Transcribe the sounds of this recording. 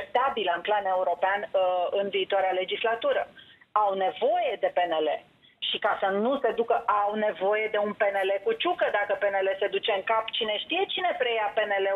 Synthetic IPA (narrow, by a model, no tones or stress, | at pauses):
ep̚t̪abiləɨnplane̞uɾo̞peanɨnviːt̪oaɾeale̞d͡ʒislat̪uɾəawne̞vo̞je̞d̪e̞pe̞ne̞le̞̰ | ʃikasənuse̞d̪ukəʔawne̞vo̞je̞d̪e̞unpe̞ne̞le̞kut͡ʃukəd̪akəpe̞ne̞le̞se̞d̪ut͡ʃe̞ɨŋkapt͡ʃine̞ʃt̪ije̞t͡ʃine̞pɾe̞jape̞ne̞le̞